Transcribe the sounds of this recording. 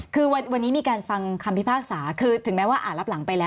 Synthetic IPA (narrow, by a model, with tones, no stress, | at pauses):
kʰɯː˧wa˧wa˧nːiː˦˥miː˧kaː˧nfa˧ŋkʰa˧mpʰi˦˥pʰaː˥˩k̚saː˩˦kʰɯː˧t̪ʰɯ˩˦ŋmɛː˦˥waː˥˩ʔa̰ː˨˩t̪̚la˦˥p̚la˨˩˦ŋpa˧jlɛː˦˥